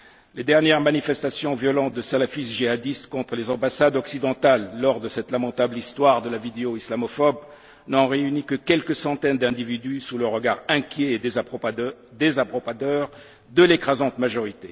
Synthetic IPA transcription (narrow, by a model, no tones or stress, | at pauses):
led̪ɛʁnjɛʁmanifɛst̪asjɔ̃vjɔlɑ̃t̪̚d̪əsalafisʒiad̪ist̪kɔ̃t̪χəlezɑ̃basad̪ɔksid̪ɑ̃t̪alːɔʁd̪əsɛt̪lamɑ̃t̪ablist̪waʁd̪əlavid̪eoislamɔfɔb | nɑ̃ʁeynikəkʲɛlkəsɑ̃t̪ɛnd̪ɛ̃d̪ivid̪ysuləʁəɡaʁɛ̃kʲjɛː | d̪ezapɔad̪œʁ | d̪əlekχazɑ̃t̪maʒɔʁit̪e